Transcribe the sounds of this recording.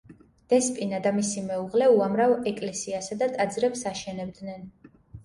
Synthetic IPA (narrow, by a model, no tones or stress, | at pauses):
d̪̥ɛspʼinad̪amisimɛuʁlɛuamɾavɛkʼlɛsiasad̪at̪ʼad̪zɾɛpsaʃɛnɛbd̪nɛn